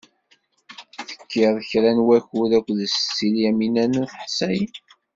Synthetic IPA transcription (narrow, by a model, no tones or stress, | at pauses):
θə̥kːɪðˤəçɾænwæçuðækʷːðəst͡sːiljæminænæθəħsæj